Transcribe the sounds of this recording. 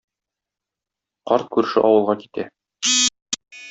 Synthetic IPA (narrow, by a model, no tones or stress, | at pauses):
qɒɾt̪̚kʉɾ̆ʃɘʔɒwɤ̆lˠʁɑki̥t̪æ